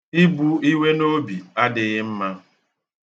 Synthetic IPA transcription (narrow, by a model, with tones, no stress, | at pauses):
i˦bu˦i˦we˦no˦bi˨a˦dɪ˨ɣɪ˦m̩˦ma˦